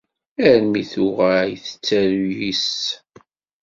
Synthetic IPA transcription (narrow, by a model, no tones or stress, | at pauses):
æɾmiθʊʁajθə̥t͡sːæɾjis